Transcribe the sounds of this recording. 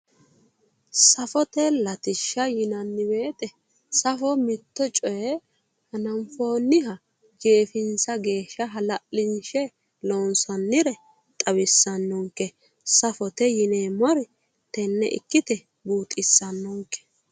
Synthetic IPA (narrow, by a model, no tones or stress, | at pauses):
sɐfɔt̪ɛlɐt̪ɪʃːɐjɪnɐnːɪbeːt̪ʼɛ | sɐfɔmɪt̪ːɔt͡ʃʼɔjɛ | hɐnɐmfo̞ːnːɪɦɐ | d͡ʒe̞ːfɪnsɐɡe̞ːʃːɐɦɐlɐʔːɪnʃɛ | loːnsɐnːɪɾɛ | t̪ʼɐβɪsːɐnːɔŋkːɛ | sɐfɔt̪ɛjɪneːmɔɾ | t̪ɛnːɛ̰ʔɪ̰kːɪt̪ɛ | buːt̪ʼɪsːɐnːɔŋkːɛ̥